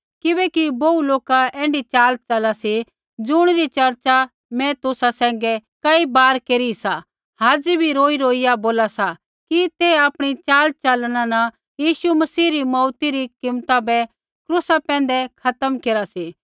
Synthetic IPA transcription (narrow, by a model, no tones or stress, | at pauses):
kɪbɛkibouloːkaɛ̃ːɳɖit͡ʃaːlt͡ʃalasi | d͡zʊɽ̃ɾit͡ʃɐɾt͡ʃa | mɛ̃t̪ʊsasɛ̃ːŋ̆ɡɛkɐibaːɾkeːɾisa | haːd͡zibʱiɾoːiɾoːɪjaboːlasa | kit̪eaːpɽ̃it͡ʃaːlt͡ʃalɽ̃ãnɐ | jiːʃumɐsiːɾimɔːt̪iɾikɪmt̪abɛ | kɾʊsapɛ̃ːnd̪ɛkʰɐt̪əmkeːɾasiː